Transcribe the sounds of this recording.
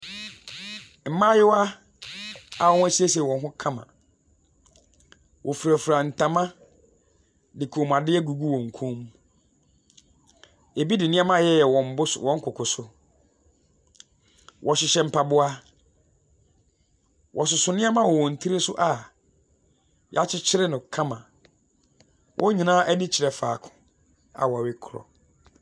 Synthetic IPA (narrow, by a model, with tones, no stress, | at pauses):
m̩˨˦mã˦jɪ˦wa˦ | a˨wɔ˦æ˦˨ɕi˦e˦s̬ɛ˨wɔ̃˨nɦʊ̃˦kʰã˦mã̰˨ | wʔɔ˨fu˨ɾæ˨fɾa˨n̩˨tʰã˨mã˦ | dɪ˨kʰo˨m˨a˨dɪ˦ɛ˦ɡu˨ɡu˦wɔ̃˨ŋ̩˨kʰõ˦m | e˨bi˦dɪ˨nɪ̃˦a˦mã˦˨jɛ˦jɛ˨wɔ̃˨m̩˨˦bʊ˦swɔ̃˦ŋ̩˦kʰʊ˨kʰʊ˨sʊ˦ | wʔɔ˨ɕɪ˨ɕɛ˦˨m̩˨pʰa˨bʊ˦a˦ | wʔɔ˨s̬ʊ˨sʊ˨nɪ̃˦a˦mã˦wɔ˨wɔ̃˨n̩˨tʰi˦ɾe˦sʊ˦ʔa˨ | ja˦t͡ɕʰɪ˦t͡ɕʰɪ˦ɾɪ˦nʊ̃˨kʰã˦mã˨ | wʔɔ̃˦ɲĩ˨nãː˦ʔɛ˦dɪ̃˦t͡ɕʰɪ˨ɾɛ˨faː˨kʰʊ̥̃˨ | a̰˨wɔ˨wɪ˦kʰʊ˨ɾɔ̰˨